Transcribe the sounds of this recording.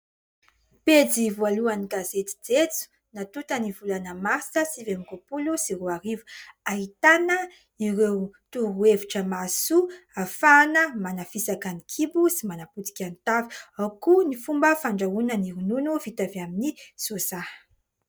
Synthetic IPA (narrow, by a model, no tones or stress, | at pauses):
ped͡zivualuaniɡazet̪i̥d͡zet͡su̥ | nat̪ut̪ənivulanəmasəsivenɡopulusiɾuaɾivu̥aɦit̪anə | iɾewt̪uɾueviʈ͡ʂəmasuafanəmanafisakanikʰibusimanaput̪i̥kʲant̪aviawkunifumbəfaɳɖ͡ʐaunəniɾununuvit̪avaminiz̥osḁ